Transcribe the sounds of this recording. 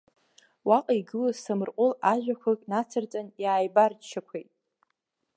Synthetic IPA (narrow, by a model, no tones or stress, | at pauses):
waqʼaiɡɨlazsamɨrqʷʼʊlaʒᶣakʷʰakʼnat͡sʰɨrt͡sʼanjaːjbart͡ʃʰːakʷʰejtʼ